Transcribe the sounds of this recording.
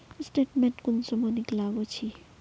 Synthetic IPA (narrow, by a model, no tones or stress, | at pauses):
sʈeʈmenʈkunsɔmɔniklaɡot͡sʰi